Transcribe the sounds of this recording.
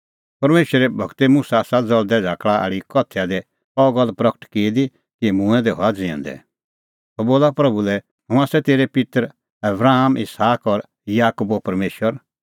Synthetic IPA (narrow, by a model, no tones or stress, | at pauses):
pɐɾmeːʃəɾɛbʱɔɡt̪emusasad͡zɔld̪ɛd͡zʱaːkɭaa̰ːɽikɔt̪ʰːɛad̪ɛ | ɔɡɔlpɾɐkəʈkeːd̪i | kimũɛ̃d̪ɛɦɔad͡zḛ̃nd̪ɛ̰ | hɔboːlapɾɐbʱulɛ | ɦʊ̃asɛt̪eːɾepɪt̪ɾ | ɐbɾaːmʔɪsaːkɔɾ | jaːkuːbopɐɾmeːʃwəɾ